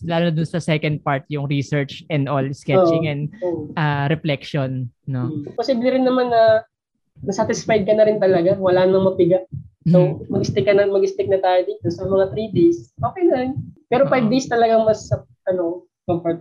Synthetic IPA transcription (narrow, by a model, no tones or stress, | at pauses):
laːlonɐd̪ʊnsɐsɛkɐnd̪̚paɹt̪̚jʊŋɾisɛɹt͡ʃɛnd̪olskɛoʔt͡ʃɪŋɛnd̪oːʔoʔaɾɛflɛkʃonːoposiːblɛɾɪnːɐmanːɐ | nɐsat̪ɪsfajd̪̚kɐnɐɾɪnt̪ɐlɐɡawɐlaːnɐŋmɐpɪɡaʔsomɐɡɪst̪ɪkːɐnɐmɐɡɪst̪ɪk̚nɐt̪aːjod̪iːt̪osɐmɐŋat̪ɾiːd̪ejsʔo̞ːkɛjlɐnpɛːɾo̞pajb̚d̪ejst̪ɐlɐɡaŋmɐsɐ | ʔɐno̞ | kɐmpɐt̪